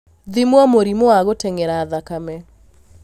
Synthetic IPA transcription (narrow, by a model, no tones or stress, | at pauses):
ðimwɔmoɾimowaɣotɛŋɛɾaːðakamɛ